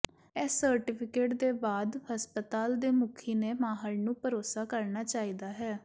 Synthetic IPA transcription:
ɛːsəɾʈɪpʰɪkeːʈd̪eːbaːd̪həspət̪aːld̪eːmʊkʰiːneːmaːɦəlnũːpəɾoːsaːkəɾnaːt͡ʃaːiːd̪aːɦɛː

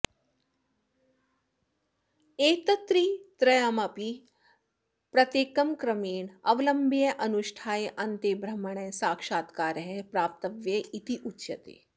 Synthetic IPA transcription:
eːt̪ɐt̪ɾit̪ɾɐjamɐpi | pɾɐt̪eːkɐmkɾɐmeːɳɐʋɐlɐmbʱijɐʔɐnuʃʈʰaːjʔɐnt̪eːbɾɐmɐɳ̃ɐsaːkʃaːt̪kaːɾɐɦepɾaːp̚t̪ɐʋjɐit̪iʔutːʃɐt̪ḛː

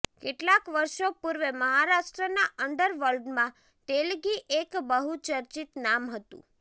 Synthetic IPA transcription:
keʈlakʋəɾʃopuɾʋeməɦaɾaʃʈɾənaʔəɳɖəɾʋəlɖmã | t̪elɡiʔekbəɦut͡ʃəɾt͡ʃit̪namɦət̪ṵ̃

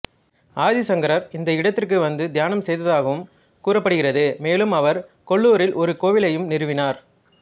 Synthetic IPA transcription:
aːðisɐŋɡɐɾɐɾɪnd̪ɐɪɽɐt̪ːɪrk̬ɯʋɐnd̪ɯd̪ʱjaːnɐmsɛjðɐðaːɣɐʋɯm | kuːrɐpːɐɽɯɣɪrɐðɯmeːlɯmɐʋɐɾkɔɭːuːɾɪlʔɔɾɯkoːʋɪlɐjɯmnɪɾɯʋɪnaːɾ

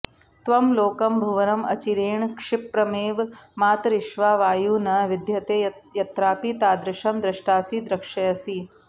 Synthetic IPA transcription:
t̪ʋɐmloːkɐmbʱuʋɐnɐmɐ̰t͡ʃiɾeːɳkʂɪpɾɐmeːʋmaːt̪ɾɪʃʋaːʋaːjuːnɐʋɪd̪ʱjɐt̪eːjɐt̪ɾaːpit̪aːd̪ɾɪʃɐmd̪ɾɐʂʈaːsiːd̪ɾɐkʂɐjɐsi

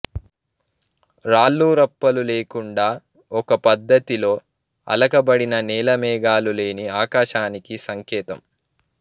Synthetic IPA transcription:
ɾaːlːuːɾɐpːɐluleːkuɳɖaː | ɔkɐpɐd̪ːɐt̪ilo̞ː | ɐ̰lɐkɐbɐɽinɐnɛːlɐmɛːɡaːlule̞ːniaːkaːʃaːnikisɐŋkɛːt̪ɐm

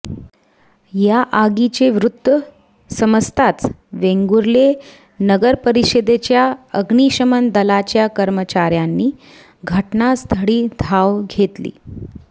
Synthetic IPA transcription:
jaʔaɡit͡ɕeʋɾud̪ʋə | səməst̪ʰat͡s | ʋeŋɡuɾle | nəɡəɾpəɾiɕəd̪et͡ɕjaəɡɳiɕəmənd̪əlat͡ɕjakəɾmət͡ɕaɾjanːiː | ɡʱəʈnast̪ʰəɽiːd̪ʱaʋɡʱet̪lḭː

